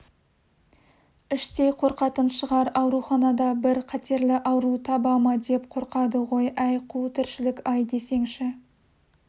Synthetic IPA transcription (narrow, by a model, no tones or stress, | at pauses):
ɪʃt̪e̞jqʰo̞ɾqɑt̪ənʃəʁɑɾɑwɾuχɑnɑd̪ɑbɪɾqʰɑt̪ʰe̞ɾlɪʔɑwɾut̪ʰɑbɑmɑd̪e̞p̚qʰo̞ɾqɑd̪əʁo̞jʔæjqʰut̪ʰɪɾʃɪlɪkʲɑjd̪e̞se̞ŋʃɪ